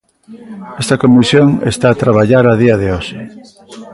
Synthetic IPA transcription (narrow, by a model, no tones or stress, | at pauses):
ɛst̪ɐkomisjoŋḛst̪aːt̪ɾaβ̞aʎaɾaðiɐðeoʃe